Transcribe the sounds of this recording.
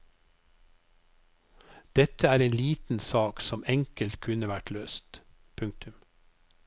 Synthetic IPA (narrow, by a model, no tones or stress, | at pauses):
d̪̥ɛt̪ʰəæːɾeːnliːt̪n̩sɑːksɔmɛŋkəlt̪kʰʉnəʋæʈløːst̪ | pʰʉŋk̚t̪ʰʉm